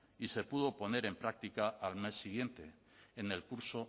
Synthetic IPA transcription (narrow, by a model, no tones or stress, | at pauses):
ise̞puðo̞po̞ne̞ɾe̞mpɾak̚t̪ikaalme̞sːiɣ̞je̞nt̪e̞ː | ne̞lkuɾso̞